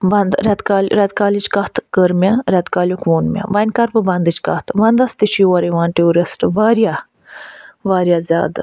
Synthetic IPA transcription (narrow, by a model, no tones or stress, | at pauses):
bɐnd̪ɾʲɛt̪kaːlʲɾɛt̪̚kaːlit͡ʃkɐht̪kəɾmʲaɾɛt̪kaːlʲjokʰʋoːnmʲã̰bɐnʲkɐɾpɨbɐnd̪ɨt͡ʃkɐ̰t̪ʰʋɐnd̪ɐst̪iʃiʋɐɾeʋãːnʈeoːɾesʈɨʋaːɾja | ʋaːɾjaːzʲa̰ːd̪